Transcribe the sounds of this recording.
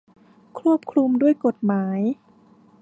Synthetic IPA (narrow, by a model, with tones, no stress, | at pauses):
kʰɾu˥˩əp̚kʰɾu˧mdu˥˩əjko˨˩t̪̚maː˩˦j